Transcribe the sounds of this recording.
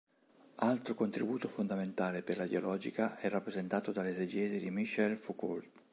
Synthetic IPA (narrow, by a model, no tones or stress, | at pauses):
alt̪ɾokont̪ɾibuːt̪ofond̪ament̪aːleperlaid̪jolɔːd͡ʒikaʔɛrːapːɾezent̪aːt̪od̪alezed͡ʒɛːzid̪imiʃɛlfuko̰lt̪